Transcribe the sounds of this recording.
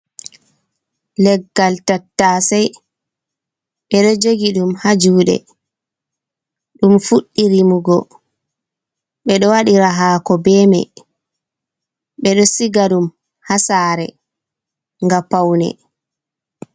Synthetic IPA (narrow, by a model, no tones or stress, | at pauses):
lɛɡːaltatːaːsɛj | ɓɛɗɔd͡ʒoɡiɗumhad͡ʒuːɗɛ̰ | ɗumfuɗːiɾimuɡɔ | ɓɛɗɔwaɗiɾaɦaːkɔbɛmɛ̰ | ɓɛɗɔsiɡaɗum | hasaːɾɛ̰ | ŋɡapawnɛ̰